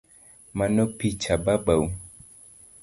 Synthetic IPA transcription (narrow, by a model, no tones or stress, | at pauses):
manɔpit͡ʃababawu